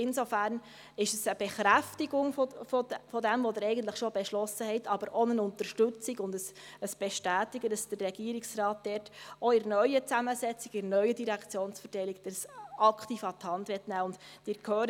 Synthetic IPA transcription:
ɪnsofæɾn | ɪʃəsəb̥ɛχɾæftɪɡʊŋfofɔfɔdɛmʋod̪əɾɛɪɡən̩tləχʃɔbɛʃlɔsəhɛɪtʰɑbəɾʔɔnənʊntəɾʃtɵt͡sɪɡʊndəs | əsb̥ɛʃtæːtɪɡədɑsd̥ərːɛɡiːəɾɪksɾɑːt̚d̥ɛɾtoɪɾnœʏət͡sæməsɛt͡sɪkɪɾnœʏədiɾækʰt͡sjoːnsfətɛɪlɪk̚d̥əsɑkχtiːfɑt̪hɑndʋɛtnæːʊnd̥d̥ɪːɾkʰhøːɾ

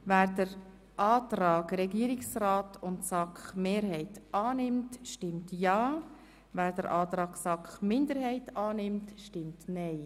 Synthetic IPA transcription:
væːɾdəɾ | ʔɑːtɾaːɡɾɛɡiəɾɪksraːtʰʊntsɑkχmeːɾhɛɪtʔɑːnɪmtʃtɪmtjɑː | væːɾd̥əɾʔɑːtɾɑːɡsɑkχmɪnd̪əɾhɛɪtɑːnɪmtʃtɪmtnɛɪ

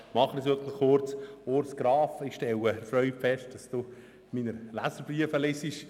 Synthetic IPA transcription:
mɑχənəsøt̪nəχʊɾt͡soɾsɡ̥ɾɑːfɪχʃtɛləfɾœʏfɛʃt̚d̥ɑsd̥uː | minəlæsəɾbriəfəlɪsiʃ

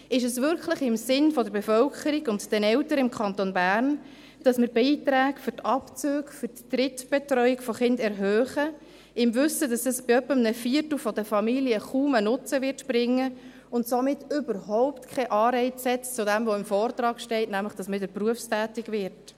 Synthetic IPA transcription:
ɪʃəsʋʏɾkʰləχɪmsɪnfɔdəɾbefœlkʰəɾiɡʊntd̥ɛnɛltəɾɪmkʰɑntonbæːrn | d̥ɑsməɾbiːtɾæːkfʏrtɑpt͡søːkfʏɾttrɪtb̥ɛtrœʏɪkfɔχɪndɛɾɦœːχə | ɪmvʏsədɑsəsbɪœpːəmnəfiːəɾtl̩fɔdəfɑmiliəχuːmənʊt͡səʋɪrtb̥ɾɪŋːə | ʊntsomɪtʏbəɾɦɔʊptkʰχɛʔɑːɾɛɪt͡shɛtt͡sʊdɛmʋɔɪmfɔːrtrɑːkʃtɛɪtnæmləχd̥ɑsmɪdəpruəfstæːtɪɡʋɪɾt

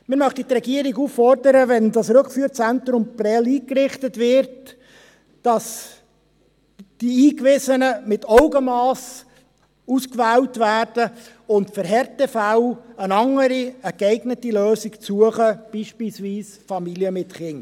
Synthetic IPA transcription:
mɪɾmœχtitrɛɡiəɾiɡuːfːɔɾdəɾəvɛndɑsɾʉkfyːɾt͡sɛnt̪ɾʊmprɛliːkrɪχtətvɪɾt | d̥ɑs | d̥iiːkʋɪsənəmɪtɔʊɡəmɑːs | uskvæːwtvæːɾd̥ə | ʊntfəɾɦɛɾtəfawənɑŋəɾiəkɛɪɡnətiløːsikt͡suəχəb̥iːʃpiːlsviːs | fɑmiljəmɪtχɪn

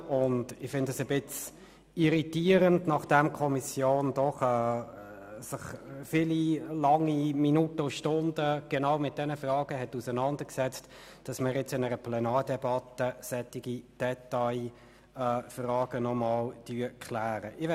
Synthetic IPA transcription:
ʊndɪχfɪndəsəbɪt͡s | iʁitiːɾəndnɑχd̥ɛmkʰɔmisjoːndɔχɛː | sɪχfililɑŋːiminutəʊʃtʊndəɡ̥ɛnɑʊmɪt̚d̥ɛnəfrɑːɡ̥əɦɛtusənɑndəksɛt͡st | d̥ɑsmɪɾjɛt͡sɪnɛɾəpʰlɛnɑːɾdɛbɑtəsɛtːɪɡ̥id̥ɛtaɪ | ɛfrɑːɡ̥ənɔmɑːld̥yəkʰlæːɾəʔɪʋɛ

